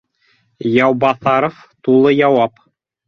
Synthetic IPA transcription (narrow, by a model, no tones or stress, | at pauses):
jɑwbɑθɑɾof | t̪ulˠɤjɑwɑp